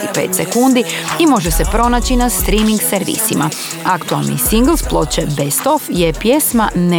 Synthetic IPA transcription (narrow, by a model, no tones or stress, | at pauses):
ipe̞̰ːt̪sekund̪iimo̞ʒesepɾo̞naːt͡ɕinast̪ɾimiŋɡseɾʋḭsima̰ | akt̪ualˠnḭsiŋɡlˠsplˠo̞t͡ɕebest̪o̞fjepjesmane